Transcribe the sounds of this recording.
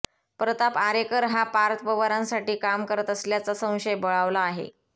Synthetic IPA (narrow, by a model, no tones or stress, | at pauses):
pɾət̪apaɾekəɾɦapaɾt̪ʰpəʋəɾãnsaʈiːkamkəɾət̪əsljat͡sasə̃w̃ɕəjbəɭaʋlaːɦḛ